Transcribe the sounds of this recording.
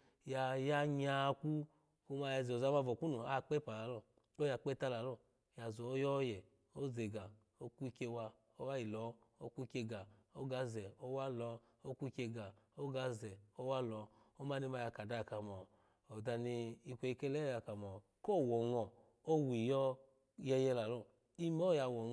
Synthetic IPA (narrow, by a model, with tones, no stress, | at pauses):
ja˨ja˧ɲa˨˧˦ku˦ | o˧ma˧ja˧˨zo˨za˧ma˧vɔ˨ku˦nu˨a˦˧k͡pɛ˦pa˨la˨˦lɔ˧˨ | o˦ja˧˨k͡pɛ˦ta˧la˨˦lɔ˧˨ | ja˨zɔ˨˦jɔ˦jɛ˨ | o˦ze˨ɡa˨ | o˦kʷu˦˧kʲe˧wa˧ | o˦wa˦ji˨lɔ˨˦ | o˦kʷu˦˧˦kʲe˧ɡa˨o˦ɡa˧˦zɛ˨o˦wa˦lɔ˨˦ | o˦kʷu˦˧kʲe˧ɡa˨o˦ɡa˧˦zɛ˨o˦wa˦lɔ˨˦ | o˦ma˦ni˧ma˧ja˧ka˨da˧˨ka˨mɔ˨ | o˨da˧ni˧i˧kʷe˧i˧ke˦lɛ˦ja˧ka˨mɔ˨ | ko˦˨wɔ˨ŋɔ˨ | o˦wi˨jɔ˧ | jɛ˧jɛ˧la˨lɔ˧˨ | i˦mɔ˦ja˧wɔ˨ŋ˦